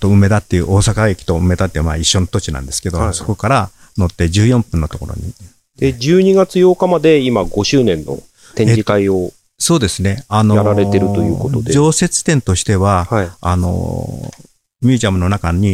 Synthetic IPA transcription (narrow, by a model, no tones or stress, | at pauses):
t̪o̞ɯ̟me̞d̪at̪ːejɯ̰ːʔo̞ːsakaɡe̞kʲi̥t̪o̞ɯ̟me̞d̪at̪ːema̰ːiɕːo̞not̪o̞t͡ɕinã̰nd̪e̞sɨ̥ke̞d̪o̞so̞ko̞kaɾa | no̞t̪ːe̞d͡ʑɨːjõ̞mpɯ̟̃nːo̞t̪o̞ko̞̰ɾo̞̰ɲ̟i | d̪̥ed͡ʑɨːɲ̟iɡat͡sɨjo̞ːkamad̪e̞imaɡo̞ɕɨːnẽ̞nːo̞̰ | t̪ẽd͡ʑikaio | so̞ːd̪e̞sɨne̞ano̞jaɾaɾe̞t̪e̞ɾɯ̟t̪o̞jɯːkot̪od̪ed͡ʑo̞ːse̞t͡sɨ̥t̪ẽ̞nt̪o̞ɕi̥t̪e̞βahaia̰no̞̰ | mʲjɨːʑiamɯ̟no̞nakaɲ̟i